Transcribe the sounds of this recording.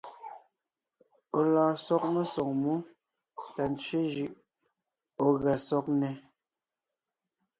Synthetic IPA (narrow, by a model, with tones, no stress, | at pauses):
o˨lɔː˨sɔ˦k̚mə˦sɔ˨ŋ̚mu˦ | ta˨n˨t͡sɥe˦ʒʉ˦˨ʔ | o˨ɣa˨sɔ˦k̚nɛ˨